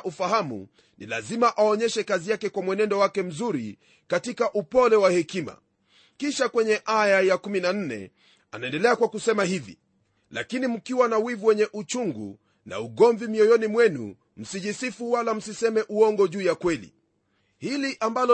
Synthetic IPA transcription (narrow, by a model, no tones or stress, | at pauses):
ʔufahamṵ | nḭla̰zimaʔaɔɲɛʃɛkazijakɛkwamwɛnɛndɔwakɛm̩zuɾi | katikaʔupɔlɛwahɛkima̰ | kiʃakwɛɲɛʔajajakuminan̩nɛ̰ | anaɛndɛlɛakwakusɛmahivḭ | la̰kinim̩kiwanawivuwɛɲɛʔut͡ʃuŋɡṵ | na̰uɡɔɱvimiɔjɔnimwɛnṵ | m̩siʄisifuwalam̩sisɛmɛʔuɔŋɡɔʄuːjakwɛlḭ | hiliʔambalɔ